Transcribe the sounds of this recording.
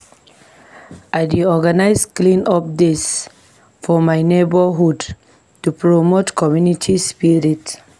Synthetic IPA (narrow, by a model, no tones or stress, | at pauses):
aɪdiɔɡanaɪsklĩnɔp̚dis | fɔmaɪnebəɦud | tupɹomotkʰɔmjunitʰispiɹit